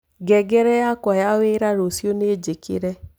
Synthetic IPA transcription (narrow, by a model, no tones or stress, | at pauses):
ɡɛɡɛɾɛjakwɔjaweɾaɾosjoned͡ʒekḛɾɛ